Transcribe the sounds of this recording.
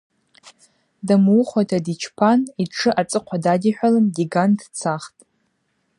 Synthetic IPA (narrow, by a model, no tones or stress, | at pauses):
damuχojtʰadit͡ʃʰpʰaniʈ͡ʂʰɨʔat͡sʼɨqʷʰadadʲiħʷᶣalɨmɡʲiɡantʰt͡sʰaχtʼ